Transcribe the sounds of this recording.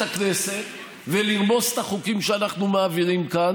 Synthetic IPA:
akne̞set̪ | veliʁmo̞zt̪aχukimʃeanaχnumaːviʁimkan

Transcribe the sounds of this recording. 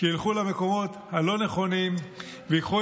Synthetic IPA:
ʃiilχulameko̞mo̞t̪halo̞ne̞χo̞nim | veikχu

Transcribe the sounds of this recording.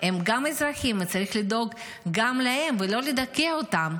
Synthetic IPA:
emɡamezʁaχimvet͡saʁiχlid̪o̞ɡː | amlahe̞mvelo̞led̪akeaot̪am

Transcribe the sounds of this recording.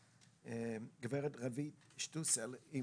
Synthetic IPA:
ɡveʁɛt̪ʁavit | ʃt̪useli

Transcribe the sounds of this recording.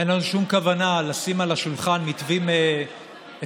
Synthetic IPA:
enlanuʃumkavanalasimalaʃulχanmitvime | e

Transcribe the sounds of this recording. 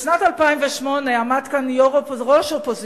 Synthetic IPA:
ʃnatalpaimvɛʃmɔneamadkanjoʁopʁoʃopoz

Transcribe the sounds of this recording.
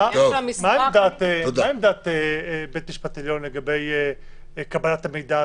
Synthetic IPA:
amimaemd̪at̪eaemd̪at̪ebet̪miʃpat̪iljo̞nleɡabe̞je | kabalat̪ame̞jd̪a

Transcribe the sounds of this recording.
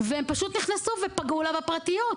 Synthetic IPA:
veempaʃut̪niχnasuvepaɡulavapʁat̪ijot

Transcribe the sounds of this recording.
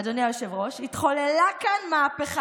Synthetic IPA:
d̪oniajoʃevʁo̞ʃit̪χo̞lelakanmaːpeχa

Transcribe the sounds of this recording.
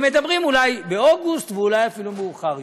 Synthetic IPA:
me̞d̪abʁimulajbeoɡust̪veulajafilumeuχaʁ

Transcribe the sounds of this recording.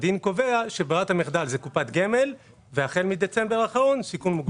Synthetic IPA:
d̪inko̞ve̞aʃebeʁat̪hamiχd̪alzekupat̪ɡeme̞l | veaχe̞lmid̪et͡sembeʁaχaʁo̞nsikunmuɡ

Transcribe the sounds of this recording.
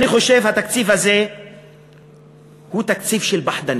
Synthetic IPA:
niχoʃevhat̪akt͡siːfhaze | hut̪akt͡siːfʃelbaħd̪an

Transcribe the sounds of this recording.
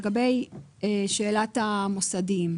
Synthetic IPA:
eɡabej | eʃe̞ːlatamosadim

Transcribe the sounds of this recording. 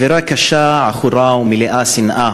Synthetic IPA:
veɾakaʃaʕaχuɾawmileʔasinʔa

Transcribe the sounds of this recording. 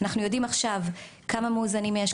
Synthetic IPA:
naχnujo̞dimaχʃavkʰamameuzanimːeaʃ

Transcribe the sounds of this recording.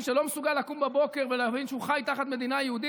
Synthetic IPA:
ʃelo̞mesuɡalːakumbebo̞ke̞ʁveleːvinʃeuχajt̪aχat̪me̞d̪inajehud̪i

